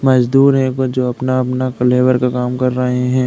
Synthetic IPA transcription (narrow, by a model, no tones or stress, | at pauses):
mɐd͡ʒd̪uːɾɦɛ̃kod͡ʒoːɐpnaɐpnakleːʋəɾkakaːmkɐɾːɐɦeɛ̃ː